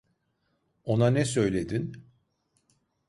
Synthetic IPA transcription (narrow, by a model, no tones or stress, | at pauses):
o̞nanɛsø̞jlʲe̞d̪in